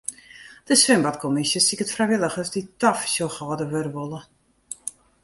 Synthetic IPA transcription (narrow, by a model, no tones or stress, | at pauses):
d̥əsʋɪmbɔtkʰomisjəsikətfrɛjʋɪlˠəxəsditɔfsoxɔːdəʋøɾəʋolˠə